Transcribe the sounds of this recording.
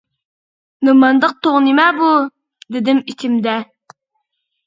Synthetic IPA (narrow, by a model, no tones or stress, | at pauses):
nɨmɑnd̪əq̚t̪oʁnimɛbu | d̪ɪd̪ɪmit͡ʃ̪ʰɪmd̪ɛ